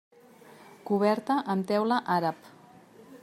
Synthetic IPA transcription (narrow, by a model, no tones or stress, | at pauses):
kuβ̞ɛɾt̪əʔəmt̪ɛwləʔaɾəp